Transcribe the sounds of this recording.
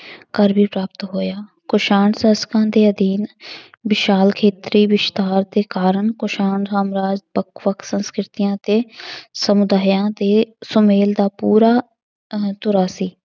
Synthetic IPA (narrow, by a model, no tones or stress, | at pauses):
kəɾbiːpɾaːp̚t̪ɦoːjaː | kʊʃaːɳsəːskãːd̪eːəd̪iːn | bɪʃaːlkʰeːt̪ɾiːʋɪʃt̪aːɾd̪eːkaːɾəɳkʊʃaːɳsaːmɾaːd͡ʒbəkʰʋəksə̃nskɾɪt̪ɪjãːt̪eːsəmʊd̪aːjãːd̪eːsʊmeːld̪aːpuːɾaː | t̪ʊɾaːsiː